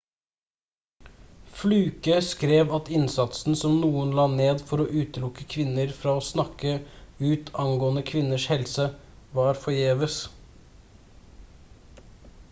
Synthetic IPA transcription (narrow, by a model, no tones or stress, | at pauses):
flʉːkəskɾeːʋɑt̪ɪnsɑt̪sn̩sɔmnuːənlɑːneːd̪fɔɾoːʔʉːt̪əlʊkəkʰʋɪnəɾfɾɑːoːsnɑkəʉːt̪ʰɑŋɡoːənəkʰʋɪnəʂhɛlsə | ʋɑːɾfɔjeːʋəs